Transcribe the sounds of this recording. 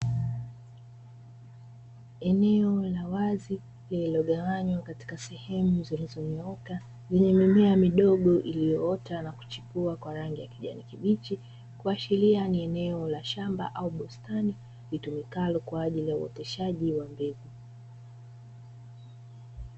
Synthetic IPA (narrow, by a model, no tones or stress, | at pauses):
ɛnɛɔlawazi | lillɔɠaaɲwakati̥kasɛhɛmuzilizɔɲɔɔka | zɛɲɛmimɛamiɗɔɠɔʔilijɔɔtanaku̥t͡ʃi̥puakwaɾaŋɡijakiʄa̰nikiɓit͡ʃi | kuaʃilianiɛnɛɔlaʃamba̰ʔauɓɔstani | litumikalɔkwaːʄilijaṵɔ̰tɛʃaʄiwambɛvu